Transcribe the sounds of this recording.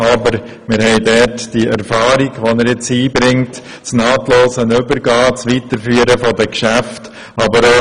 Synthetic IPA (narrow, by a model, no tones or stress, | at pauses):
ɑbəɾ | mɪɾhɛɪdɛtd̥iʔɛɾfɑːɾiɡʋonəɾjɪt͡siːbɾɪŋt | snɑːtloːsənʏbəɾɡɑːt͡sʋitəɾfyːəɾəfɔdəkʃæft | ɑbəɾo